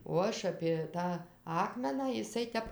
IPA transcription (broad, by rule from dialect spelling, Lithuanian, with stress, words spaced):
oː ˈɐʃ ɐpʲeː ˈtɑː ˈɑːkmʲɛnɑː ɪˈsɐɪ ˈtʲɛp